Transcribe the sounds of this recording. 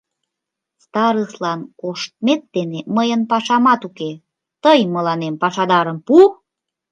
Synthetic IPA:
st̪ɑɾəslɑnkoʃt̪̚met̪̚d̪eneməjənpɑʃɑmɑt̪uke | t̪əjməlɑnempɑʃɑd̪ɑɾəmpu

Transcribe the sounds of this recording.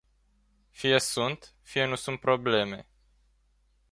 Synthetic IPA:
fijesunt̪fije̞nusunt̪̚pɾo̞ble̞me̞̰

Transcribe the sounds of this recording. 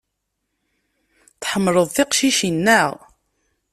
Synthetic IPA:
θħəmːɾˤəðˤθɪqʃiʃinːæʁ

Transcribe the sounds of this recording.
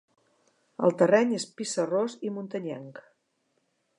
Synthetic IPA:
ə̰lˠt̪ərɛɲespisərozimunt̪əɲɛ̰ŋk

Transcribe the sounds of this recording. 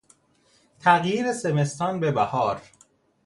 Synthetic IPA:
t̪ʰæɣjiːɾesemest̪ɒːnbe̞bæhɒːɾ

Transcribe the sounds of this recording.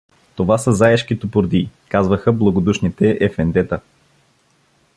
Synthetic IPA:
t̪ovasəzaɛʃk̟it̪opʊɾd̪iːkazvəxəblˠɐɡod̪uʃnit̪ɛʔɛfɛnd̪ɛt̪ə

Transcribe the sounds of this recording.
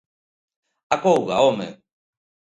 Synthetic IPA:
akowɣaomḛ

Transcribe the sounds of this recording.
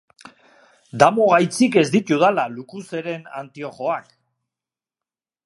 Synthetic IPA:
d̪amo̞ɣajt͡sike̞zd̪it̪uðalalukuse̞ɾe̞na̰nt̪io̞χo̞ak

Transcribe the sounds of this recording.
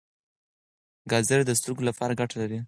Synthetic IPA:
ɡɑzeɾd̪əst̪uɡolapɑɾaɡaʈalaɾi

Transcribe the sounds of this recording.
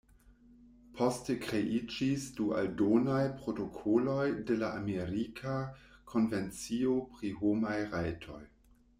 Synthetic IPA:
pʰostekɾeʔid͡ʒisdua̰ldonajpɾotokʰolo̞jdelaʔameɾikʰakʰo̞nvent͡siopʁiɦomajʁajtʰo̞j

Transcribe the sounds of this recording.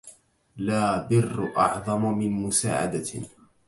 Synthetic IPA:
laːbɪrːʔɑ̰ʕðˤɑmmɪnmʊsa̰ːʕa̰d̪a

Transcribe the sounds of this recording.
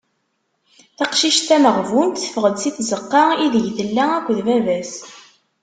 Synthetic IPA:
θɑqʃiʃt̪æməʁvunt̪θə̥fəʁəd̪siθzəqːɑiðəʝθəlːæækʷːðvævæs

